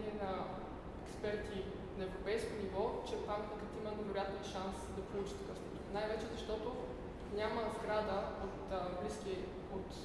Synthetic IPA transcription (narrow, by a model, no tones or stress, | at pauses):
niɛnɐ | ɛkspɛɾt̪i | nɐɛvɾopɛjskonivɔt͡ʃɛpaŋknɐk̪ət̪imənɛvɛɾojat̪niʃansd̪ɐpolˠut͡ʃi̥t̪ɐkɤsnot̪onajvɛt͡ʃɛzɐʃt̪ɔt̪o | nʲaməzɡɾad̪əot̪ːbliski | ot̪